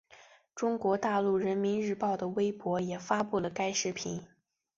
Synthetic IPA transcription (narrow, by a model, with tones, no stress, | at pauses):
ʈ͡ʂʊ˥ŋkwɔ˧˥t̪a˥˧lu˥˩ɻə˧˥nmi˧˥nɻɻ̩˥˧pɑ˥˩ʊd̪ə˩we˥ɪpwɔ˧˥jɛ˨˩fa˥pu˥˩lə˩ka˥ɪʂɻ̩˥˩pʰi˧˥n